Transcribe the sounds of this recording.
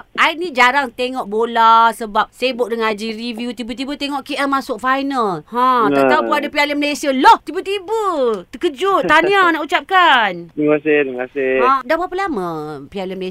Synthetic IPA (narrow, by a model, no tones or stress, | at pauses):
ʔainĩd͡ʒaɾaŋt̪eŋɔʔbolasəbap̚sajəbʊʔ̚dəŋad͡ʒirivjut̪ibət̪̬ibət̪eŋɔʔkeʔɛmːasʊk̚fajnalhãaʔt̪aupunadapialənməlesialɔht̪ibət̪ibət̪əkəd͡ʒʊanianaʔut͡ʃap̚kandəkasɪdəmkasɪãdabapəlamə̃pialəməles